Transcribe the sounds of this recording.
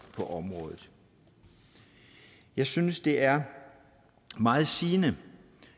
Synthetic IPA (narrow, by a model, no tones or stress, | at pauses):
pʰɒ̽ʔɒ̽mʁɔːð̩ˠ | jɑ̈ɪsynəsd̥e̝ʔæɐ | mɑ̈ːð̩ˠsiːnə